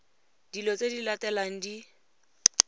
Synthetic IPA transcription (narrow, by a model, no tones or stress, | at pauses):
d̥ilɔt͡sʼedilatɛlaŋ̩di